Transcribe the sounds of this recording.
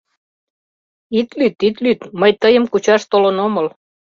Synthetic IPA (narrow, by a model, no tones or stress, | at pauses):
it̪lyt̪it̪lyt̪məjt̪əjəmkut͡ɕɑʃt̪olənoməl